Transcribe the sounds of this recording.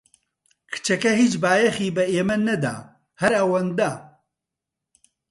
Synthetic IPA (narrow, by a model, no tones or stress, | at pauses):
kʰɨ̥t͡ʃɐkɐɦiːt͡ʃbaːjɐxiːbɐeːmɐnɐd̪a̰ː | hɐɾɐwɐnd̪aː